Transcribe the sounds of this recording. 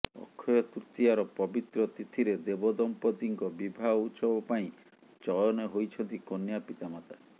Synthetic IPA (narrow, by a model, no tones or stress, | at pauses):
ɔ̰kʰːɔjɔt̪uɾt̪iaɾɔpɔbit̪ɾɔt̪it̪ʰiɾed̪ebɔd̪ɔmpɔd̪iŋkɔbibʱaɔut͡ʃɔbɔpaĩ | t͡ʃɔjɔneɦojt͡ʃʰɔnt̪ikonjapit̪amat̪a